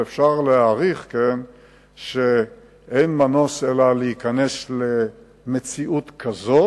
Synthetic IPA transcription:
efʃaʁleaʁiχken | ʃe | ʔejnmano̞selaleikane̞sle̞ | met͡siʔut̪kʰazo

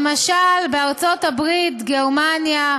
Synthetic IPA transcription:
maʃalbeaʁt͡so̞tabʁitɡeʁmanja

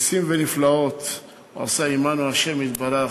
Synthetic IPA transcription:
simveniflao̞t̪ | a̰saimanuaʃemit̪baɾa

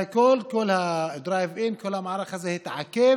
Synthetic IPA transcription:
kʊlːkʊlːhæd̪ɾˤaːjvʔɪnkʊlːhæmaʕɾˤɑxazahit̪aʕakːi

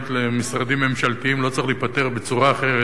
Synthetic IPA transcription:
t̪lemisʁad̪imːe̞mʃalt̪iimlo̞t͡sʁiχliːpat̪e̞ʁbe̞t͡suʁaːχe̞ʁe

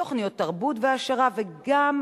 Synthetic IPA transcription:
o̞χnijotːaʁbutveaʃaʁaveɡam

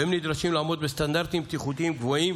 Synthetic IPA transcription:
ɛmnid̪ɾaʃimlaːmod̪̚best̪and̪aɾt̪imb̚t̪iχut̪iimɡvoim

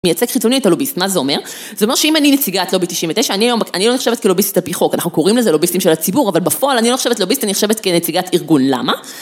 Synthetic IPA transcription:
mejat͡sekχit͡sonietalobist̪mazeo̞me̞ʁ | zeoe̞ʁʃeimaninet͡siɡat̪lobit̪iʃimvet̪eʃaːniajo̞maniloniχʃevet̪kelobist̪itapiχo̞kanaχnuko̞ʁimlezelo̞bistimʃelat͡sibuʁavalbafoalaniloiχʃevtlelobist̪anineχʃevet̪kenet͡siɡatiʁɡunla̰ma

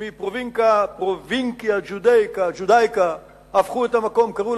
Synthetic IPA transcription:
ipɾoviŋkapɾoviŋkjaʒud̪ejkaʒud̪ajka | afχuet̪amakomkaɾu

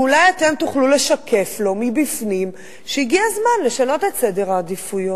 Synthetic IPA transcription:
ulajat̪emtuχlule̞ʃakʰe̞flo̞mibifnim | ʃeiɡiazmanle̞ʃano̞tetsede̞ʁaːdifujo

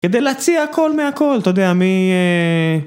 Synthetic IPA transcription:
ke̞d̪ejleat͡siaako̞lmeako̞lt̪ood̪eamie

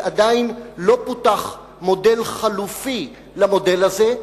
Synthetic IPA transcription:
ʔad̪ainlo̞putaχ | mo̞de̞lχalufi | lamo̞d̪e̞laze

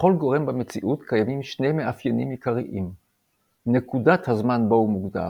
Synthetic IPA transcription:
χo̞lɡo̞ʁe̞mbame̞t͡siʔutkajamimʃne̞jmeafjenimjikaʁiʔim | nekudathazmanboumuɡd̪a̰

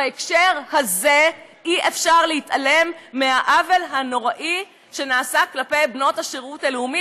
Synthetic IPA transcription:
aekʃeʁhazeiʔefʃaʁlehitale̞mːehaʔave̞lɦano̞ʁaʔi | ʃe̞naːsaklape̞jbno̞thaʃeʁutaleumi

